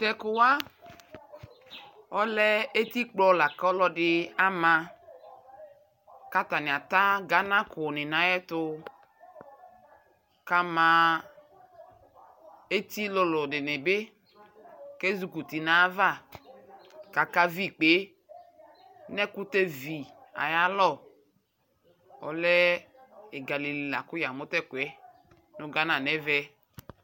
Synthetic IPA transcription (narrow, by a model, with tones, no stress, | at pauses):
t̪ɛ˨kʊ˨wa˦ | ɔ˦lɛ˦e˦t̪i˦k͡plɔ˦˨la˨kɔ˦lɔ˦dɪ˦a˦mã˨˧ | ka˦t̪a˨nɪ˨a˨t̪a˦ɡa˨˦nã˦kʊ˨nɪ˨nã˨˦jɛ˦t̪ʊ˧ | ka˦mã˨ | e˦t̪i˦lʊ˦lʊ˨dɪ˨nɪ˨bɪ˦ | ke˦zu˨ku˨ti˨na˨˦va˦˨ | ka˨ka˦vi˦˨k͡pe˨˦ | nɛ˦kʊ˦te˦vi˨a̰˨ja˦lɔ˦˨ | ɔ̰˨lɛ˦ | e˨ɡa˨li˨li˨la˨kʊ˦ja˨mʊ˦tɛ˦˨kwɛ˦ | nʊ˦ɡa˦nã˨nɛ˦vɛ˦